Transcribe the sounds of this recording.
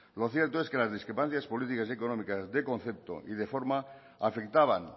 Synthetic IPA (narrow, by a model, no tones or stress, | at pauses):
lo̞θje̞ɾt̪oeske̞lazðiskɾepan̟θjaspo̞lit̪ikaseko̞nomikazðekõ̞n̟θe̞p̚t̪o̞̰ʔiðe̞fo̞ɾma | afe̞kt̪aβ̞aŋ